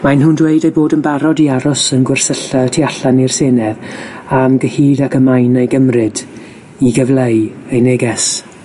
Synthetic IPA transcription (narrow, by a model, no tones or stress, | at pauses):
majnɦʊndweɨdejboːdənbaɾɔdiaɾʊsənɡwɪrsəɬatʰiaɬanirseːnɛðamɡəhiːdakəmajnejɡəmrɨd | iɡəvlˠejejneɡɛs